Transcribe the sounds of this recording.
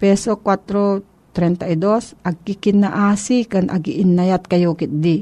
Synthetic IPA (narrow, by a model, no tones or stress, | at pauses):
pɛsokwat̪ɾo | t̪ɾɛnt̪aʔid̪osʔɐɡ̚kɪkɪnaʔaːsɪkanʔa̰ɡɪʔɪnːajat̪̚kajokɪt̪̚d̪ɪ